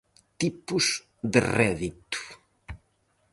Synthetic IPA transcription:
t̪ipuz | d̪erɛðit̪u̥

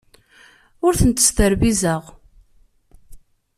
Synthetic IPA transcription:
ʊɾθənt̪ːə̥st̪əɾbizəʁ

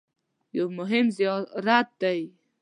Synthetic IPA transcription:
jawmʊɦɪmzijɑɾat̪̚d̪aj

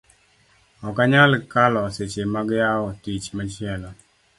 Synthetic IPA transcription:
ɔkaɲalkalɔset͡ʃemaɡjaɔtit͡ʃmat͡ʃɪɛlɔ

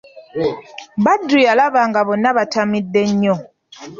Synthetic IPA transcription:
badːujalaβaŋɡaβonːaβatʰamidːeɲːɔ

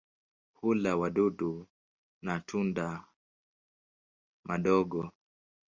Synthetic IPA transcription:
hulawaɗuɗu | natʰunda | mʔaɗɔɡɔ

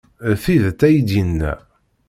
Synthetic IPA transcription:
θiðt̪æjd̪inːæ̰

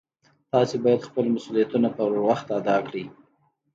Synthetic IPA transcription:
t̪ɑsebɑjad̪xpəlmasulijat̪unapəwɾwaxt̪ad̪ɑkɽi

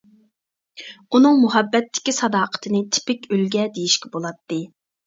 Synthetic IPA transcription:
unɨŋmuɦɛbːɛt̪ʰːɪ̥kʲisɑd̪ɑːqʰə̥t̪ʰɨnɨt̪ʰɪ̥pɪkʲølɡʲɛd̪ejiʃkʲʰɛbolˠɑt̪ʰːɨ

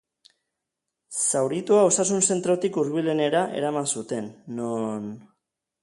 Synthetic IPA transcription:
sawɾit̪uao̞sasunse̞nt̪ɾo̞t̪ikuɾβile̞ne̞ɾaʔe̞̰ɾamansut̪e̞nːon

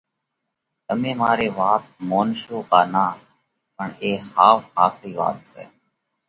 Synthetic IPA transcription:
əmẽːmaːɾeːʋaːt̪̚moːnʃoːkaːnaː | pəɳeːhaːfhaːsiːʋa̰ːt̪sɛ̰ː

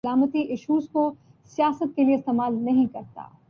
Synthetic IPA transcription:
laːmət̪iʔɪʃuːsko | sijaːsət̪̚kelieɪst̪eːmaːlnɐɦĩkɐɾt̪a̰ː

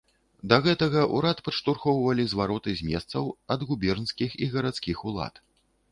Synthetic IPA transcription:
d̪ɐɣɛt̪ɐɣɐʔuɾat̪pɐʂt̪urxɔwvɐlʲizvaɾɔt̪ɨzʲmʲɛ̰st̪sɐwɐd̪ɣubʲɛrnskʲixiɣɐɾat̪skʲixulˠa̰t̪

